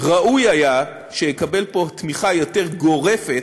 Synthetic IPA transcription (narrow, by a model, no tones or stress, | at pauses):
ʁaʔujaja | ʃejekabe̞lpo̞t̪miχajo̞te̞ʁɡo̞ʁe̞fet